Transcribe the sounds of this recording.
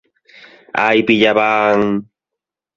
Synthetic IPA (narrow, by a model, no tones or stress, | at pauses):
a̰jpɪʎabaŋ